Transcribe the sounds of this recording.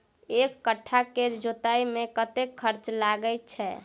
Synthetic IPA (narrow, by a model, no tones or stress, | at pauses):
ekːəʈʰːaked͡ʒot̪aimekət̪ekʰːəɾt͡ʃlaɡəjt̚t͡ʃʰɛ